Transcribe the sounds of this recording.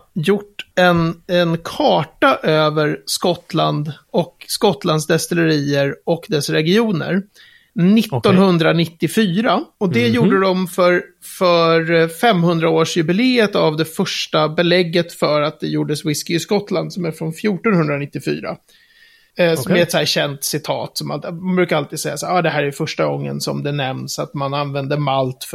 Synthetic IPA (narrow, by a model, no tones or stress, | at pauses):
jʊʈːɛnɛnkʰɑːʈaʔøːvəɾskɔt̪land̪ɔkskɔt̪ːland̪sd̪ɛst̪ɛləɾiːəɾɔkd̪ɛsɾɛɡɪuːnə̰ɾ | nɪt̪ːɔnhɵnd̪ɾanɪt̪ːɪfyːɾaɔd̪ɛjuːɖəd̪ɔmfœɾ | fœɾfɛmːhɵnd̪ɾaoːʂjɵbɪleːət̪avd̪ɛfœʂʈabɛlɛɡːət̪fœɾat̪̚d̪ɛjuːɖəswɪskɪɪskɔt̪ːland̪sɔmæɾfɾɔnfjuːʈɔnhɵnd̪ɾanɪt̪ːɪfy̰ːɾa̰ | mmɛɛt̪sɔæːɕɛnt̪sɪt̪ʰɑ̰ːt̪sɔma̰lmanbɾʉ̟kaɾalt̪iːd̪sɛjːasaːɾɑːd̪ɛɦæːɾæɾfœʂʈaɡɔŋːə̰nsɔ̰md̪ɛnɛmnsat̪mananvɛnd̪əmalt̪f